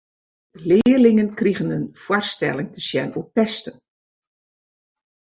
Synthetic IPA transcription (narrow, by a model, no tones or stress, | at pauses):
lɪːərlɪŋənkriɣənənfwarstɛlˠɪŋtʰəsjɛnupɛstən